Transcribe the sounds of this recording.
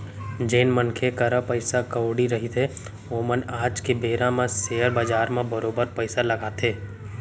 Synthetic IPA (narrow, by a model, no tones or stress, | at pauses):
d͡ʒeːnmənkʰekəɾəpəɪsakəːɽiɾɐɦit̪ʰe | oːmənaːd͡ʒkebeːɾãmãseːəɾbaːd͡ʒaːɾmẽbəɾoːbəɾpəɪsalɐɡaːt̪ʰeː